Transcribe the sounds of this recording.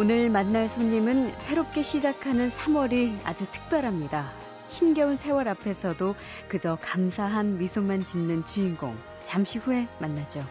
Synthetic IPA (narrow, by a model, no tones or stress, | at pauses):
onɯɭmanːaɭsʰoɲːimɯnsʰe̞ɾop̚k͈e̞ɕʰid͡ʑakʰanɯnsʰamwʌɾia̰d͡ʑutʰɯ̥k̚p͈jʌɾɦamɲida | çimɡjʌunsʰe̞wʌɾapʰe̞sʰʌdo | kɯd͡ʑʌkamsʰaɦanmisʰomant͡ɕinːɯnt͡ɕuinɡo̰ŋ | t͡ɕamɕʰihue̞manːad͡ʑo